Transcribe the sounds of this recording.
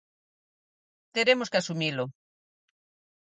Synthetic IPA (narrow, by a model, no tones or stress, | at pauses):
t̪eɾemoskeasumilo